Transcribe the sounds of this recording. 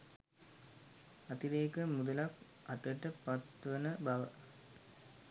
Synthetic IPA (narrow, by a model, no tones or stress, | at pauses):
ɐt̪iɾeːkəmud̪əlak | ɐt̪əʈəpat̪ʋənəbaʋə